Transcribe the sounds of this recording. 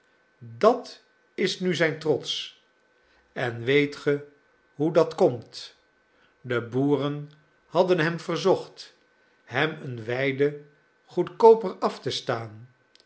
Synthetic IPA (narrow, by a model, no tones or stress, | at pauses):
dɑt | ɪsnyzɛjntrɔts | ɛnʋejtχə | ɦudɑtkɔmt | dəbuːrən | hɑdənɦɛmvərzɔχt | ɦɛmənʋɛjdə | χutkowpəɹɑftəstaːn